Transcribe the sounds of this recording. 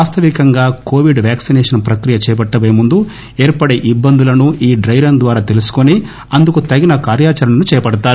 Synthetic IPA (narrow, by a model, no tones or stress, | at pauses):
aːst̪ʰɐʋikɐŋɡaːko̞ːʋiɖʋaːksinɛːʂɐnpɾɐkɾijɐt͡ʃɛːp̬ɐʈːɐʋeːmund̪u | eːɾpɐɽeʔibːɐnd̪ulɐnuʔiːɖɾɐjɾɐnd̪ʋaːɾaːt̪e̞lusu̥koni | ɐnd̪ukut̪ɐɡinɐkaːɾjaːt͡ʃɐɾɐnɐnut͡ʃɛːjɐpɐɽɐt̪aːɾu